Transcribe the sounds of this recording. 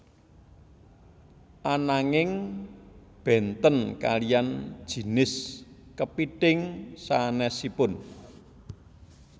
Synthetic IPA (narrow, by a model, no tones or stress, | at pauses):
ʔanaŋɪŋ | b̥ɛnt̪ənka̰lijan̥ʒ̥i̤nɪskəpiʈɪŋsanɛsipʊn